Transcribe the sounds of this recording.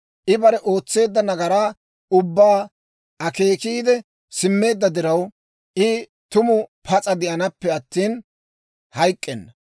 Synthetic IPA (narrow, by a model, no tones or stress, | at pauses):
ʔɪbɐɾɛʔo̞ːt͡sːe̞ːd̪ːɐnɐɡɐɾaː | ʊbːaː | ʔɐke̞ːkiːd̪ɛ | sɪmːe̞ːd̪ːɐd̪ɪɾɐw | ʔɪ | t̪ʊmʊpʰɐt͡sʼɐd̪ɪʔɐnɐpːɛɐt̪ːiːn | hɐjkʼːɛnːɐ